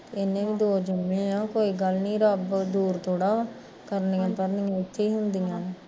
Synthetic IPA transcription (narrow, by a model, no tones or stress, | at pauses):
t̪eːɪnːẽːʋĩːd̪oːd͡ʒəmːẽːjãːkoːiːɡəlnĩːɾəbd̪uːɾt̪ʰoːɽaː | kəɾniːãːpəɾniːãːɪt̪ʰːeːiːɦʊnd̪ijãː